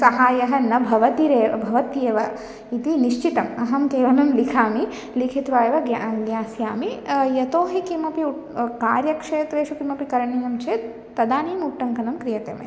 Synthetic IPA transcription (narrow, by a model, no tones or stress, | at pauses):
sɐɦaːjɐɦɐnɐbʱɐʋɐt̪iɾeːɐbʱɐʋɐt̪jeːʋɐ | it̪iniʃt͡ʃit̪ɐmɐɦɐmkeːʋɐnɐmlikʰaːmi | likʰit̪ʋaːjɐʋɐɡjaɡjaːsjaːmijɐt̪oːɦikimɐpiukaːɾjɐkʂeːt̪ɾeːʃukimɐpikɐɾɐɳijɐmt͡ʃeːt̪ː | ɐd̪aːniːmuʈːɐŋkɐnɐmkɾijɐt̪ḛːmḛ